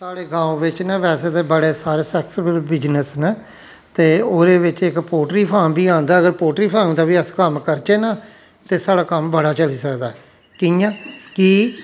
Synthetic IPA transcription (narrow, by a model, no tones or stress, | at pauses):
saːɽeːɡãːũʋɪt͡ʃnãːʋɛːseːt̪eːbəɽeːsaːɾeːsɛːksɪbəlbɪd͡ʒnəsnə | t̪eːoːɾeːʋɪt͡ʃɪkpoːʈɾiːpʰaːmbiːãːnd̪aːəɡəɾpoːʈɾiːpʰãːd̪aːʋiːəskəmkəɾt͡ʃeːnaː | t̪eːsaːɽaːkəmbəɽaːt͡ʃəliːsəkd̪aːɛ | kijãːkiː